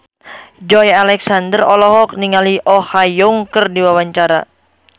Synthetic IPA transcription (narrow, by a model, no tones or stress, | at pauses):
d͡ʒɔjalɛksandərɔlɔɦɔk̚niŋaliʔɔhajɔŋkərdiwawaɲt͡ʃaɾa̰